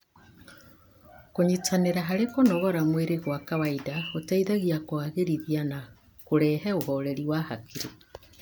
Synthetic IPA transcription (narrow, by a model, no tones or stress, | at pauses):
koɲitaneɾaɦaɾekonɔɣɔɾamweɾeɣwakawaidaotaiðaɣiakwaɣeɾiðiana | koɾɛːɦɛohɔɾɛɾiwahakʰiɾe